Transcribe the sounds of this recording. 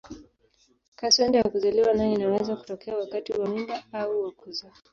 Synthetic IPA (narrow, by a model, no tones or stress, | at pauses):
kasɛndajakuzaliwanainawɛzaku̥tɔkʰɛawakatiwamimbaauwakuza